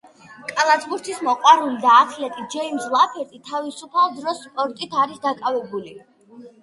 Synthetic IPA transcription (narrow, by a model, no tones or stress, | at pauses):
kʼalˠasbuɾt̪ʰismɔqʼwaɾulid̪aːχʰlɛt̪ʼid͡ʒɛimslˠapʰɛt̪ʼit̪ʰavisupʰalˠd̪ɾɔsːpʼɔɾt̪ʼit̪ʰaɾisd̪akʼavɛbuli